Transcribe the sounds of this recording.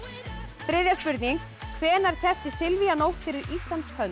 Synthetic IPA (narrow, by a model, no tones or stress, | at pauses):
fɾɪðjaspʏɾt̪niŋ | kʰvɛːnaɾ̥cʰɛft̪ɪsɪlvianowfɪɾɪɾist̪lant̪shʰœn